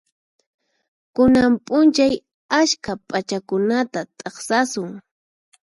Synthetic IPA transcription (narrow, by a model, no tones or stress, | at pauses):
kʊnampʼʊnt͡ʃaj | aʃkapʼat͡ʃakʊnat̪at̪ʼɑχsasʊŋ